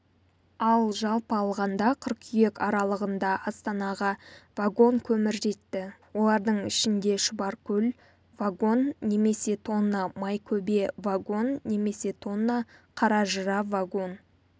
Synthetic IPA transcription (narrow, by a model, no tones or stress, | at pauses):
ɑlˠʒɑlˠpəɑlˠʁɑnd̪ɑqʰəɾqʰʏje̞kɑɾɑlˠəʁənd̪ɑʔɑst̪ɑnɑʁɑvaɡo̞ŋkʲʰɵmɪɾʒe̞t̪ːɪwo̞lˠɑɾd̪əɴɪ̰ʃɪnd̪e̞ʃʊbɑɾkʲʰɵl | vaɡo̞nːe̞me̞se̞t̪ʰo̞nːɑmɑjkʲʰɵbe̞vaɡo̞nːe̞me̞se̞t̪ʰo̞nːɑqʰɑɾɑʒəɾɑvaɡo̞n